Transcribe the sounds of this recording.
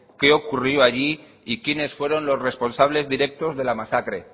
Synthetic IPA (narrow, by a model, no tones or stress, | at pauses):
ke̞o̞kurjoaʝi | ikjene̞sfwe̞ɾo̞nlo̞sre̞spo̞nsaβle̞zðiɾe̞k̚t̪o̞zðe̞lamasakɾe̞